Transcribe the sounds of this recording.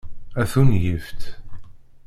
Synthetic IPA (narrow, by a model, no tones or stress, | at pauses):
æθunjəft̪